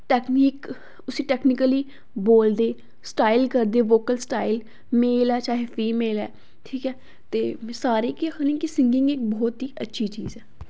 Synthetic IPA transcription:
ʈɛːkniːk | ʊsĩːʈɛːknɪkəliː | boːld̪eː | sʈaːɪlkəɾd̪eːʋoːkəlsʈaːɪl | meːlɛːt͡ʃaːɦefiːmeːlɛ̰ː | ʈʰiːkɛː | t̪eːsaːɾeːkikːnĩːkɪsɪ̃ŋɡɪ̃ŋɡɪk̚bɔːt̪ɦiːʔətːʃʰiːt͡ʃiːzɛː

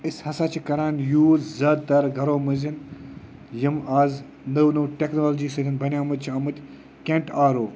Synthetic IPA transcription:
ɨsʲhɐsaːt͡ʃʰikɐɾaːnjuːzzɐd̪̚t̪ɐɾɡʱɐɾoːmɨzin | jimaːz | nəwnɨʈeknoːld͡ʒiːsɨɡɨnbɐnʲaːmɨt͡ʃʰɐmɨt̪ʲ | kʲẽɳʈaːɾoː

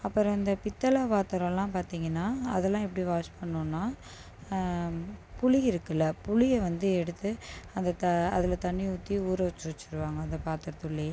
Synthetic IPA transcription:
ɐpːɐɾ̃ɪnd̪ɐpɪt̪ːɐlaːpaːɾt̪ɐɾɐ̃lãːpaːɾt̪iːŋɡɐnːaːɐ̰ðɛlːãːɛpːɐɽiʋaːspɐɳːoːnːaː | pʊɭɪjɪɾɯkːɐlːɐpʊɭɪjɐʋɐnd̪ɯɛɽɯt̪ːɯɐnd̪ɐt̪ɐɐðɪlɐt̪ɐɳːiʊt̪ːiuːɾɐʋt͡ʃːɯʋɐt͡ʃːɪɾɯʋaːŋɡɐɐnðɐpaːɾt̪ɯɾɐt̪ɯɭːɐj

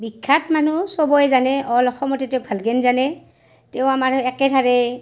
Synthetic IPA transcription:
bikʰːatmanusɔbɔjzanɛʔɔlɔxʰɔmɔtɛtɛʊk̚bʱalɡɛnzanɛ | tɛʊ̃amaɹɛkɛdʱaɹɛ

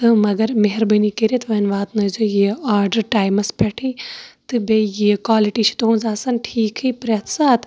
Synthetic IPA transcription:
t̪ɨmɐɡɐɾmeɦɪɾbənikeɾit̪ʰʋɐnʋaːt̪nɐzojiːaːɾɖɐɾʈaːjmɐspʲeʈʰiːt̪ɨbejikʋaːliʈiːt͡ʃʰi̥t̪oũnzaːsɐnʈʰiːkʰɨːpɾet̪ʰsaːt̪

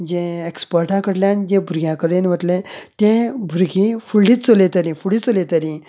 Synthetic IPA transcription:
d͡ʑẽekspəɾʈãkəɽljãnid͡ʑẽbʱuɾɡjãkəɾenʋət̪let̪ẽbʱuɾɡĩfuɭliːt͡st͡solet̪əɾĩfuɽiːt͡solet̪əɾĩ

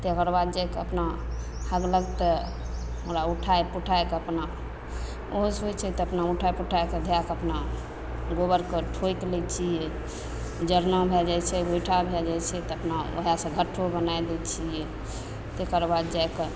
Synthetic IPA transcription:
t̪ekəɾbad̪̚d͡ʒajkeəpna | həɡləɡt̪ə | oɾauʈʰaepuʈʰaekeəpna | oɦsɦojt͡ʃʰɛt̪ɔəpnauʈʰaepuʈʰaeked̪ʱjakəpna | ɡobəɾkeʈʰojklɛt͡ʃʰijɛ | d͡ʒəɾnəbʱɛld͡ʒajt͡ʃʰɛɡojʈʰabʱɛd͡ʒajt͡ʃʰɛt̪ɔəpnao̰ɦjasə̃ɡʱəʈʰːobənajd̪et͡ʃʰijɛ | t̪ekəɾbad̪̚d͡ʒajke

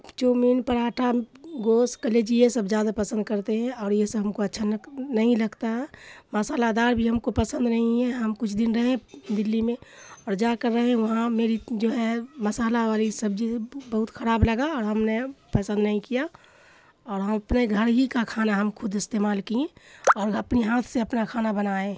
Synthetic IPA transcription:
t͡ʃoːmiːnpəɾaːʈʰaɡoːskəleːd͡ʒiesɐbzjaːd̪apɐsə̃nd̪̚kɐɾt̪eɦɛ̃ɔːɾjesɐbɦɐmkoɐtːʃʰanɐɦĩlɐɡt̪aɦɛmɐsaːlad̪aːɾbʱiɦɐmkopəsə̃nd̪nɐɦĩɦɛɦɐmkʊt͡ʃʰd̪ɪnɾɐɦẽd̪ɪlːimẽɔːɾd͡ʒaːkəɾːɐɦɦɛ̃ʋɐɦãmeːɾid͡ʒoːɦɛmɐsaːlaʋaːlisɐbd͡ʒiebɐɦʊt̪xʰɐɾaːblɐɡaɔːɾɦɐmnepɐsə̃nd̪nɐɦĩkija | ɔːɾɦɐmɐpneɡʱəɾɦikakʰaːnaɦɐmkʰʊd̪ɪst̪eːmaːlkiẽɔːɾɐpniɦaːt̪ʰseɐpnakʰaːnabɐnaːẽ

